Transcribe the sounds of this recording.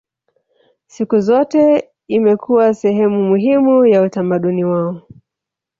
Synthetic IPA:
sikuzɔtɛ | imɛkuwasɛhɛmumuɦimujautamaɗuniwaɔ

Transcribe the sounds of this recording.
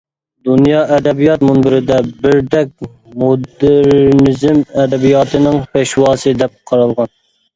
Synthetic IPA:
d̪unjɑːʔɛd̪ɛbijɑt̪munbɪɾɪd̪ɛbɪɾd̪ɛk̚ʲ | mod̪ɪɾnɪzɪmɛd̪ɛbijɑːt̪ʰɨnɪŋpʰɛʃwɑːsɨd̪ɛp̚qʰɑɾɑlˠʁɑn

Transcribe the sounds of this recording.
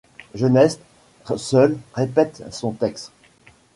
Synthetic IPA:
ʒənɛst̪ | sœlʁepɛt̪sɔ̃t̪ɛkst̪

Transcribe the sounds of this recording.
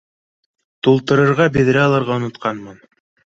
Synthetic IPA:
t̪ulˠt̪ɤ̆ɾɤ̆ɾʁɑbɘ̆ð̆ɾæɑlˠɤ̆ɾʁɑŏnŏt̪qɑnmɤn

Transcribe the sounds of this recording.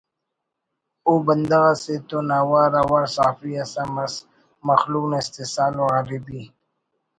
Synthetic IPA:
obənd̪aɣaset̪onawaɾawaɾsaːfiasamas | mɐxluknaɪst̪esaːloɣaɾibi

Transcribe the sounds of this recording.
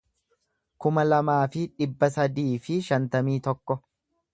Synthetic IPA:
kʊmɐlɐmaːfɪᶑɪbːɐsɐd̪iːfɪʃɐnt̪ɐmiːt̪ɔkːɔ

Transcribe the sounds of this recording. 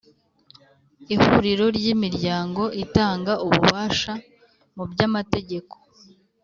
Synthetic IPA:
ihuɾiɾo̞ɾɟimiɾɟaːŋɡo̞ʔitaːŋɡauβuβaːʃa | mubɟamate̞ɟe̞ko̞̥

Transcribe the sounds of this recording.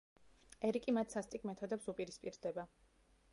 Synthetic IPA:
ɛɾikʼimat̪ʰsast̪ʼikʼmɛt̪ʰɔd̪ɛpsupʼiɾispʼiɾd̪ɛba

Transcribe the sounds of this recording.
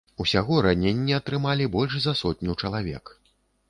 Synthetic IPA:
usʲaɣɔɾanʲenʲːiɐt̪ɾɨmalʲibɔlʲʂzɐsɔt̪̚ʲnʲut͡ʂɐlˠavʲɛ̰k

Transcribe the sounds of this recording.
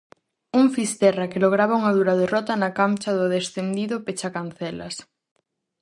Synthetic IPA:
uŋfist̪ɛrakeloɣ̞ɾaβauŋaðuɾɐðerɔt̪ɐnakamt͡ʃaðʊðesθend̪iðʊpet͡ʃakan̟θɛlɐ̰s

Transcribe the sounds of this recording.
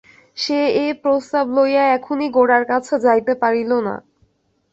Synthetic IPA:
ʃeepɾost̪ablojaɛkʰoniɡoɽaɾkat͡ɕʰed͡ʑajt̪epaɾilona̰

